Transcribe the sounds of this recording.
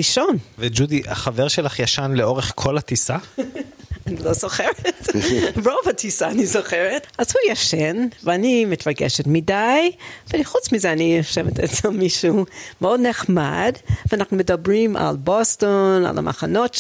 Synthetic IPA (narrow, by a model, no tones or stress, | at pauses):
iʃonved͡ʒudiʔa̰χaveʁʃelaχjaʃanleoʁeχkʰolatisa | anilozoχeʁetbovatʰisaːnizoχeʁetazhujaʃɛnveanimitɹaɡɛ̰ʃɛtmidajveχut͡smizɛanijaʃɛvetʰɛt͡selmiʃumeodneχma̰dveanaχnumedabʁima̰lbostona̰la̰mʔa̰χanot